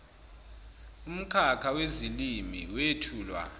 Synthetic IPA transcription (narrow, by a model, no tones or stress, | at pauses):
um̩kʰakʰawezilimḭwetʰuːlwa̰